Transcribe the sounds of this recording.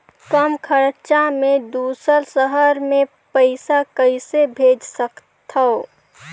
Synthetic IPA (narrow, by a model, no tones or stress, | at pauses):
kəmkʰəɾt͡ʃamẽd̪uːsəɾsəɦəɾmẽ | pəɪsakəɪsebʱeːd͡ʒsək | t̪ʰəo